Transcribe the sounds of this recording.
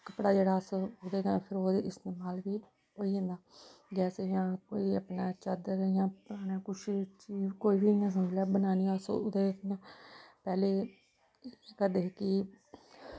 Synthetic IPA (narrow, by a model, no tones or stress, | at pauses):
kəpɽaːd͡ʒeːɽaːəsʊd̪eːɡaːpʰɪɾoːd̪eːɪst̪eːmaːlʋiː | ɦoːiːẽnd̪aːɡɛːsejãːkoːiəpnaːt͡ʃəd̪əɾjãːpʊɾaːneːkʊt͡ʃʰt͡ʃiːkoːiːbiːjãːs̬ənd̪ʱlaːbənaːniːaso̰ʊd̪eːjãːpɛːleː | kad̪eːkiː